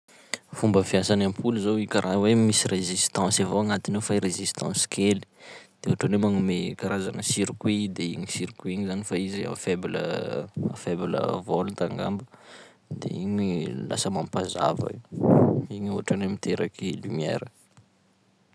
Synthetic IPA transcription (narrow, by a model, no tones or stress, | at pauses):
fumbəfiasanampʰuluzowikaɾʔawemisirezist̪ɑ̃savoaŋat̪inofajɾezist̪ʰɑ̰̃si̥kʰeli̥d̪̥euɦaʈ͡ʂanemaŋumekaɾazanəsiɾikwid̪eiɲisiɾikwiɲizanifaizea̰feblə̰afeblə̰volut̪aŋɡa̰mbə | d̪ḛiɲila̰səmampaza̰va̰i | iɲuaʈ͡ʂanemit̪ʰeɾakʰilymjḛɾə